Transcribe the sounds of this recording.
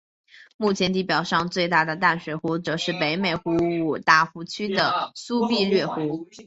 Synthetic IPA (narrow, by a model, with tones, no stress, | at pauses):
mu˥˩t͡ɕʰjɛ˧˥nt̪i˥˩pjɑ˨˩ʊʂɑ˥˧ŋt͡swe˥˧ɪt̪a˥˩d̪ə˩t̪a˥˩nʂwe˨˩xu˧˥ʈ͡ʂɤ˨˩ʂɻ̩˥˩pe˧˥ɪme˨˩ɪxu˧˥u˨˩t̪a˥˩xu˧˥t͡ɕʰy˥d̪ə˨su˥pi˥˧lɥɛ˥˩xu˧˥